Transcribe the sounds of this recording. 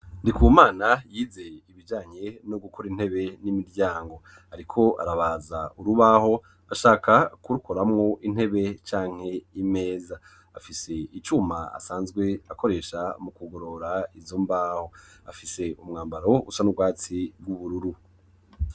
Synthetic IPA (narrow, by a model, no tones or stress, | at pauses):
ndikuːmaːnajiːze̞iβid͡ʒaːɲe̞noɡukʰoɾin̥he̞βe̞nimiɾɟaːŋɡo̞ | haɾikʰo̞ʔa̰ɾaβaːzaʔuɾuβaːho̞ | aʃaːkʰakuɾukoɾamŋo̞ʔin̥he̞βe̞t͡ʃaːŋ̥e̞ime̞ːza | afise̞it͡ʃumaa̰saːnzɡwe̞ako̞ɾe̞ːʃamukuɡo̞ɾo̞ɾaizoːmbaːho̞afise̞umŋaːmbaɾo̞ṵsanubɡwaːt͡sibɡuβuɾuɾu